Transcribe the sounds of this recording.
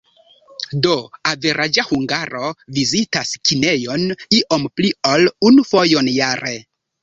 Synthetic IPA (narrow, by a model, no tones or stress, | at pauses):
do̞ave̞ɾʔad͡ʒahuŋɡaɾovizitaskine̞jo̞niʔo̞mpliolunufo̞jo̞njaɾe